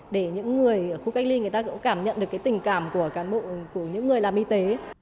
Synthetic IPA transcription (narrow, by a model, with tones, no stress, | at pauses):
ɗe˧˩ɲɨ̰˧˥ŋːɨ˨˩əjːxu˧ka˦˥jk̚li˧ŋɨ˨˩əjt̪aː˧kṵ˧˥ŋ͡mkaː˧˩mɲə̰˧˨nɗɨ˨˩əkːt̪ï˨˩ŋ̟kaː˧˩mku˧˩əkaː˨˦nɓo̰˧˨ku˧˩əɲɨ̰˧˥ŋːɨ˨˩əjlaː˨˩mʔi˧t̪e˨˦